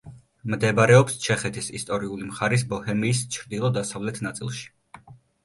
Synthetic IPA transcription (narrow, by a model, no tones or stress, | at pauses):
md̪ɛbɾɛɔpst͡ʃʰɛχɛt̪ʰisist̪ʼɔɾiulimχaɾis̬bɔhɛmiːst͡ʃʰɾd̪ilˠɔd̪asavlɛt̪ʰnat̪sʼḭlˠʃi̥